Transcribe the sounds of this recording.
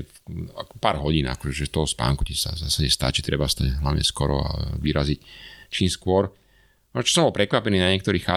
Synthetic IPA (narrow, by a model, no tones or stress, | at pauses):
akpaːɾɦɔɟiːna̰kɔʒɛʒɛst̪ɔɦɔspa̰ːŋkucɛsa̰sasaɲɛst̪a̰ːt͡ʃit̪ɾɛbast̪ɛlaɲɛ̰skɔɾɔ̰a̰ʋiɾazict͡ʃiːmskʊɔɾ | mɔt͡ʃɔ̥sɔ̃mbɔlpɾɛkʋapɛniːnaɲɪɛk̚t̪ɔɾiːxa